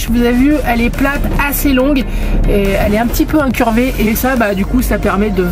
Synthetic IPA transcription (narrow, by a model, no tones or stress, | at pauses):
ʒəvuzavyɛlɛplat̪aselɔ̃ɡ | eɛlɛɛ̃pət̪ipøɛ̃kʲyʁveʔesabad̪ykusapɛʁmɛd̪ə